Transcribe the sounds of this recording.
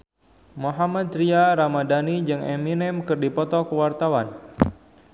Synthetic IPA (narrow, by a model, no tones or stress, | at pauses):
moɦamad̪ɾiaɾamadanid͡ʒɨŋɛ̰minɛmkɨrdipɔt̪ɔkəwart̪awan